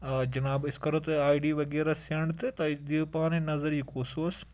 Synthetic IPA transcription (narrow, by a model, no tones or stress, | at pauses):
ɐd͡ʒɐnaːbɪskɐɾɐt̪ɨaːiɖiːʋɐɡeːɾaseɳɖt̪et̪ɐd̪ipaːnẽnɐzɐɾjikoːsoːs